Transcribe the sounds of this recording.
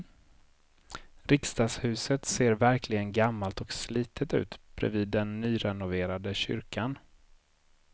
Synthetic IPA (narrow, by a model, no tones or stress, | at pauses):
ɾɪkst̪ɑːshʉ̟ːsət̪seːɾvæɾklɪɡənɡamːalt̪ɔksliːt̪ʰət̪ʉ̟̰ːt̪b̥ɾɛ̰viːd̪ːɛnːyːɾɛnʊveːɾad̪əɕʏ̰ɾkʰan